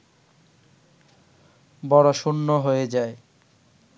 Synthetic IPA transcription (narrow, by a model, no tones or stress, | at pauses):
bɔɾoʃunːoɦojed͡ʑae